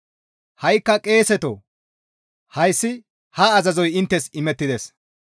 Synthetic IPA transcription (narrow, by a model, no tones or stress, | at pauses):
hɐjkːɐkʼe̞ːsɛt̪o | hɐjsːɪ | hɐːzɐzɔjɪnt̪ːɛsɪmɛt̪ːɪd̪es